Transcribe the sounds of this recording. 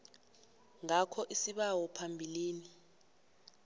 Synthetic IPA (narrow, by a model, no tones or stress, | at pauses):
ŋakʰɔʔisiɓawɔpʰambʱiliːni